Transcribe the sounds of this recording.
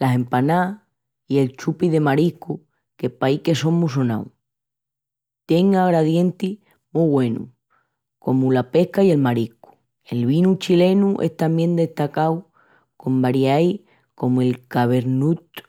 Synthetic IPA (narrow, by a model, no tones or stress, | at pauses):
lase̞mpana | ie̞lt͡ʃupiðe̞maɾihku | ke̞pajke̞so̞ŋmus̬ona̰w | t̪je̞ŋaɣɾaðje̞nt̪i | muɣwe̞nṵ | ko̞mulape̞hkaie̞lmaɾiku̥ | e̞lβinut͡ʃile̞nuʔe̞̰ht̪ambje̞nd̪e̞ht̪akaw | ko̞mbaɾjaj | ko̞mue̞lkaβe̞ɾnut̪